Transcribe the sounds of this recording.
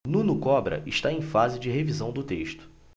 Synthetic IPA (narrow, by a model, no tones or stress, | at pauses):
nũnʊkɔbɾɐ̰ʔɪʃt̪aẽj̃fazɪd͡ʒɪɦevizɐ̃w̃d̪ʊt̪eʃt̪ʊ̥